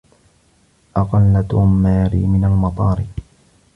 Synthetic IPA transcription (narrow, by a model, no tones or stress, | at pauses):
ʔɑqɑlːat̪ʊmːaːɾḭmɪnalmɑt̪ˤɑːɾɪ